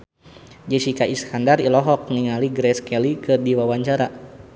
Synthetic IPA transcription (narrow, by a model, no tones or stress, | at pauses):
d͡ʒɛsikaiskandarilɔɦɔk̚niŋaliɡɾɛskɛlikɨrdiwawaɲt͡ʃaɾa